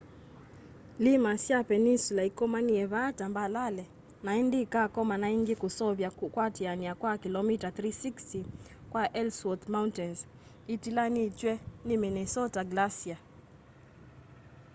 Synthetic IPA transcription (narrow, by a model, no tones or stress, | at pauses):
limasjapɛninsulaikɔmaniɛβatambalalɛ | naindikakɔmanaiŋɡɪkusɔβjakwatianiakwakilɔmitaθɾisiksti | kwaʔɛlswɔt̪mauntɛnz | itilanit͡ʃwɛniminɛsɔtaɡlasia